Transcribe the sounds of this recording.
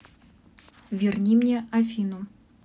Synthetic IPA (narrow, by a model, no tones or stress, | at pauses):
vʲɪrnʲimnʲeʔafʲinʊ